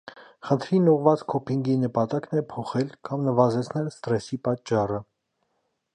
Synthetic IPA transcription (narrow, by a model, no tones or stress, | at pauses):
χənt̪ʰɾinuʁvɑt͡skʰɔpʰiŋɡinəpɑt̪ɑknɛpʰɔχɛlkʰɑmnəvɑzɛt͡sʰnɛlst̪ɾɛsipɑtt͡ʃːɑrə